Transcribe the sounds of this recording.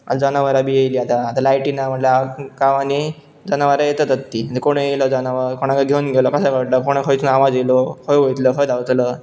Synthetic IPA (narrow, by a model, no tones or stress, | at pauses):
a̰d͡zanaʋaɾabijejliːat̪aːt̪alajʈinam̤əʈleakaʋani | d͡zanaʋaɾajet̪ət̪ət̪ːit̪ikoɽ̃ẽeləd͡zanaʋəɾkoɽ̃ãkaɡʱewnɡʱelɔkəsakəʈlakoɽ̃ekʰəjt͡sunaʋad͡zelokʰəjʋojt̪ləkəjd̪awt͡s̪lə